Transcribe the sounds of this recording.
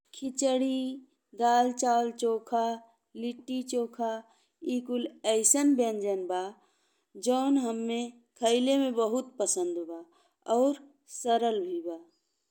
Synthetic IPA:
kʰɪt͡ʃəɽi | ɡ̪aːlt͡ʃaːlt͡ʃoːkʰa | lɪʈːit͡ʃoːkʰa | iːkʊlɛɪsənbjənd͡ʒənbaː | d͡ʒɔːnɦəmːẽ | kʰəɪlemẽbəɦʊt̪pəsə̃nd̪baː | ɔːɾ | səɾəlbʱibaː

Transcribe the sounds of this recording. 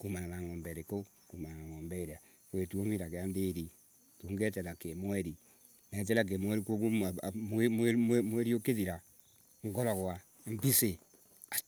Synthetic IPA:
kumananaŋombeɾeko | kumananaŋombeɾea | kwetuomiɾakeandeɾi | toŋɡeteɾakemweɾi | net̬eɾak̬emweɾikokumemememweɾiokeðiɾa | ŋɡoɾɔkwa | m̩bise | a

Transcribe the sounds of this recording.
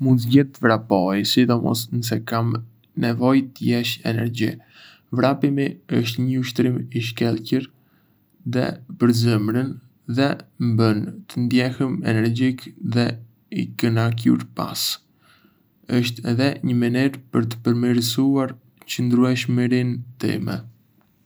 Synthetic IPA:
munzɟɛt̪ːəvɾapɔjsid̪ɔmɔ̰snəs̬ɛkam | nɛvɔjt̪əjɛʃɛ̰nɛɾɟi | vɾapimiəʃt̪ɲəuʃt̪ɾimiʃ̬kɛlˠcəɾ | ðɛ̰pəɾzəmɾən | ðɛmbənt̪ənd̪jɛhəmɛnɛɾd͡ʑikðɛ | ḭkənak̬ṵɾpa̰s | əʃt̪ɛðɛɲəməniɾpəɾt̪ə̥pəɾmiɾəsuaɾ | t͡ɕənd̪ɾuɛʃmiɾint̪ḭmɛ̰

